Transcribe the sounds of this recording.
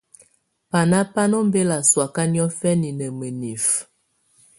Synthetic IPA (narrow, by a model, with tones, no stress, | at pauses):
pa˨na˦pa˦nɔ˦m˦be˦la˨swa˨ka˦njɔ˦fɛ˦ni˨nə˨mə˨ni˨f